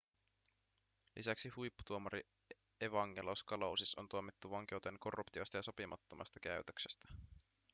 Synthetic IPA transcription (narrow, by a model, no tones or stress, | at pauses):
lʔisæksihujpːu̥t̪uomɑɾi | eʋɑŋːe̞loskɑlowsiso̞nt̪uomit̪ːuʋɑŋk̟e̞wt̪enko̞rːupt̪iojst̪ɑjɑso̞pimɑt̪ːomʔɑ̰st̪ɑkæɥt̪øksest̪æ̥